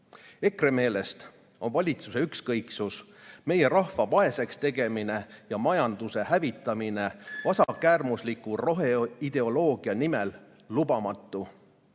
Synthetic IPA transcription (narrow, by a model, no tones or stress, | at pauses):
e̞kre̞me̞ːle̞st̪ | o̞nvɑlʲit̪suse̞ykskɤjksusme̞je̞ɾɑhfɑvɑe̞se̞kst̪e̞ɡe̞mine̞jɑmɑjɑnd̪̥use̞hævit̪ːˑɑmine̞vɑsɑkæːrmuslikːuro̞ɦeid̪̥e̞o̞lo̞ːɡ̥iɑnime̞lː | ubɑmɑt̪ˑːu